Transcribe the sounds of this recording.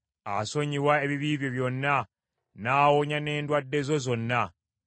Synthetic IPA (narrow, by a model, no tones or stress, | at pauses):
aso̞ɲiwae̞βiβiːβjo̞βjo̞nːa | naːwoɲane̞ːndwadːe̞zo̞zo̞nːa